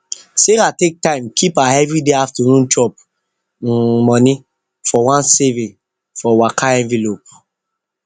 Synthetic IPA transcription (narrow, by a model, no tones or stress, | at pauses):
seɾatek̚tãɪ̃mkʰipaɛvɹideaftənũnt͡ʃɔp̚ | mɔni | fɔwãnsɛvĩ | fɔwakʰaɛ̃ɱvilop̚